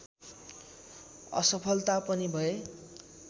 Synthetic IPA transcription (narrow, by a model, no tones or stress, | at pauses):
ʌ̰sʌpʰʌlt̪apʌnibʱʌe